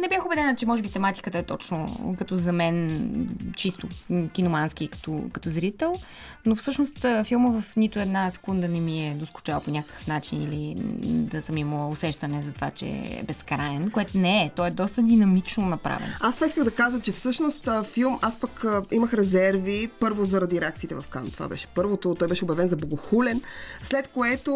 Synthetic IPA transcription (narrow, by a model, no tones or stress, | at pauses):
nɛbʲjaxobɛd̪ɛnət͡ʃɛmɔʒɛbit̪ɛmat̪i̥kət̪əɛt̪ɔt͡ʃno̰kɐt̪ɔzɐmɛn | t͡ʃist̪ʊkʲinomansk̟ikɐ̥t̪ɔ̰kɐt̪ɔzɾit̪ɛlˠ | nofsɤʃnost̪filˠməvɐfnit̪ʊɛd̪nasɛ̥kund̪ənɛmiɛd̪osku̥t͡ʃavlˠponʲakə̥kə̥fnat͡ʃinḭlid̪ɐsəmimʊsɛʃt̪ɐnɛzɐt̪va̰t͡ʃɛ̰bɛskɾaɛnkoɛt̪ʊnɛɛt̪ɔɛd̪ɔst̪əd̪inɐmit͡ʃnonɐpɾa̰vɛ̰nast̪v̥aiskəɣd̪ɐkazət͡ʃɛfsɤʃnost̪filˠmaspəkəiməxɾɛzɛɾvipɤɾvozɐɾɐd̪iɾɛakt̪siːt̪ɛvɐfka̰nt̪ova̰bɛ̰ʃɛ̥pɤɾvot̪ot̪ɔjbɛʃɛobjɐvɛnzɐboɡoxulɛnslɛt̪koɛt̪o